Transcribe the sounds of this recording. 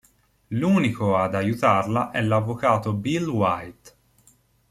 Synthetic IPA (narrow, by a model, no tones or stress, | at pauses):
luːnikoad̪ajut̪arlaʔɛlavːokaːt̪obilwajt̪